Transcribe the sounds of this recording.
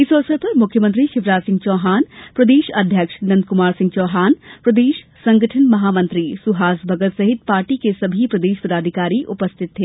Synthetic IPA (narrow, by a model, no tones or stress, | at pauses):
ɪsɔːsəɾpɐɾmʊkʰjəmə̃nt̪ɾiʃɪʋɾaːt̪sɪ̃ŋɡ̚t͡ʃɔːɦaːnpɾɐd̪eːʃɐd̪ʱjəkʃnɐ̃nd̪̚kʊmaːɾsɪ̃ŋɡt͡ʃɔːɦaːnpɾɐd̪eːʃ | sɐ̃ŋɡəʈʰənmɐɦaːmɐ̃nt̪ɾisʊɦaːsbʱɐɡət̪sɐɦɪt̪̚paːɾʈikesɐbʱipɾɐd̪eːʃpɐd̪aːd̪ʱɪkaːɾiʔʊpəst̪ʰɪt̪ʰːeː